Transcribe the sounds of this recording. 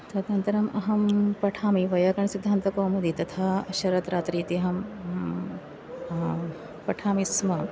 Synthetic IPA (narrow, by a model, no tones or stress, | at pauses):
t̪ɐt̪ɐnt̪ɐɾɐmʔɐ̰ɦɐmpɐʈʰaːmiʋɐjɐkɐɳɐsid̪ʱːaːnt̪ɐkoːmud̪it̪ɐt̪ʰaːɐʃɐɾɐt̪ɾʔaːt̪ɾiːt̪iɐɦɐm | pɐʈʰaːmismɐ